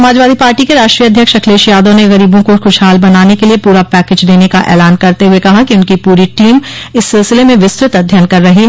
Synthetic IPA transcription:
sɐmaːd͡ʒʋaːd̪ʱipaːɾʈikeɾaːʃʈɾiːɐd̪ʱjəkʃɐkʰleːʃjaːd̪õneɣɐɾiːbõkoxʊʃɦaːlbɐnaːnekeliepuːɾapɛːkeːd͡ʒd̪eːnekaʔɛ̰ːlaːnkɐɾt̪eɦʊekɐɦakiʊnkipuːɾiʈiːmɪsːɪlsɪlemẽʋɪst̪ɾɪt̪ɐd̪ʱjənkɐɾːɐɦi

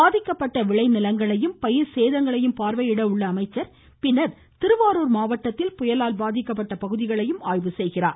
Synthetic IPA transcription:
aːðɪkːɐpːɐʈːɐʋɪɭɐɪnɪlɐŋɡɐɭɐjɯmpɐjɪɾseːðɐŋɡɐɭɐjɯmpaːɾʋɐjɪɽɐʊɭːɐːmɐɪt͡ʃːɐɾ | pɪnːɐɾ | t̪ɪɾɯʋaːɾuːɾmaːʋɐʈːɐt̪ːɪlpʊjɐlaːlbaːðɪkːɐp̬ːɐʈːɐpɐɣɯðɪɣɐɭɐjɯmaːjʋɯsɛjɣɪra̰ːɾ

